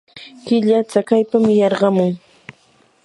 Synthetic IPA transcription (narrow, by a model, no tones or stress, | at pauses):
kɪʎat͡sakajpamɪjɑɾɢɑmʊŋ